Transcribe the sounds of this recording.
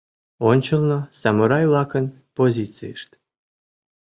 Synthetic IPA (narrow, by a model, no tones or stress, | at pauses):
onʲt͡ɕəlˠnosɑmoɾɑjlˠɑkə̆n | pozʲit̪t͡sɨ̰jʃt̪